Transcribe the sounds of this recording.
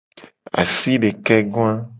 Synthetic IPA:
a̰˨si˦be˨kɛ˦ɡõ˦a˦

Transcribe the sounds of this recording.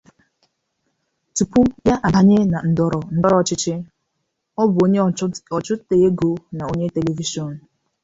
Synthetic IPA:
tu˨pu˦ja˦ʔa˨ba˦ɲe˦na˨n̩˨dɔ˨ɾɔ˨n̩˦dɔ˦ɾɔ˨t͡ʃɪ˦t͡ʃɪ˦ | ɔ˦bʊ˨o˦ɔ˨t͡ʃʊ˦te˨je˦ɡo˦na˨o˦ɲe˦te˨le˨vi˦ʃɔ˨n̩˨

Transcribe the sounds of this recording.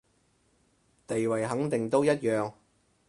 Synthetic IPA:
t̪e˨jwɐ˨˩jɦɐ˨˥ŋt̪ɪ˨˩ŋt̪o˥wjɐ˥t̚jœː˨ŋ

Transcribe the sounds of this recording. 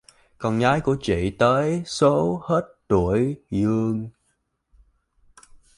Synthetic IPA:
kɔ˨˩nɣaː˨˦jku˧˩ət͡ɕḭ˧˨t̪əː˨˦jso˨˦he˦˥t̚t̪u˧˩əjzɨ˧əŋ

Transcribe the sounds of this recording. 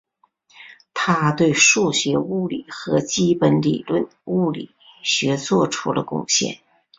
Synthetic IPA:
t̪ʰa˥t̪we˥˧ɪʂu˥˩ɕɥɛ˧˥u˥˩li˨˩xɤ˧˥t͡ɕi˥pə˧˥nlḭ˨˩lwə˥˧n | u˥˩lḭ˨˩˦ | ɕɥɛ˧˥t͡swɔ˥˩ʈ͡ʂʰu˥lə̰˧kʊ̰˥˧ŋɕjɛ̰˥˩n

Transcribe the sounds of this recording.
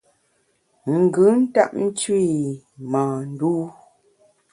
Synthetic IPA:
ŋ̩˨ɡɯ˨˦n̩˦ta̰˦˨ʔ̚n̩˦t͡ʃwi˦˨ | maː˨n̩˦duː˦

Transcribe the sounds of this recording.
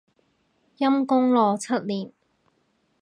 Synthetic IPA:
jɐ˥mkʊ˥ŋlɔː˨t͡sʰɐ˥t̚liː˨˩n

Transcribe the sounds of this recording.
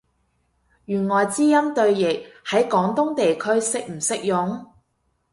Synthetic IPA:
jyː˨˩nŋɔː˨˩jt͡siː˥jɐ˥mt̪ɵ˧ɥjɪ˨k̚hɐ˨˥jkɔː˨˥ŋt̪ʊ˥ŋt̪e˨jkʰɵ˥ɥsɪ˥k̚m̩˨˩sɪ˥k̚jʊ˨˥ŋ

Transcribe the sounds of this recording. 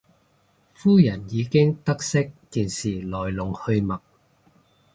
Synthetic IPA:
fuː˥jɐ˨˩njiː˨˧kɪ˥ŋt̪ɐ˥k̚sɪ˥k̚ːiː˨nsiː˨˩lɔː˨˩jlʊ˨˩ŋhɵ˧ɥmɐ˨˩k̚

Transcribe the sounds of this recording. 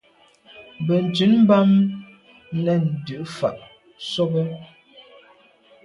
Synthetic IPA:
bə˨n̩˨t͡sʉ˨˦nm̩˦ba˦m | nɛ˦˨n̩˨dʉ˨ʔfa˨ʔ | so˦bə˦

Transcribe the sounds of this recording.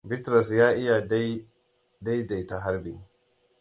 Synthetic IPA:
bɪ˦tɾɔ˨sjaː˦ʔɪ˦ja˨d | da˦jda˨jta˨ɦa˦ɾbɪ˨

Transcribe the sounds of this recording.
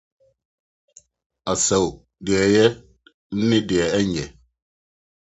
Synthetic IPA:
a˨sə˨w | dɛ˨jɛ˦t̚ | n̩˦ni˦djɛ˨ɛ˦ɲɛ˨

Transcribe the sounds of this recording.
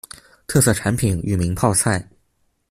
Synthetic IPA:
t̪ʰɤ˥˧sɤ˥˩ʈ͡ʂʰa˧˥npʰi˨˩ny̰˥˩mi˧˥ŋpʰɑ˥˧ʊsʰa˥˩ɪ

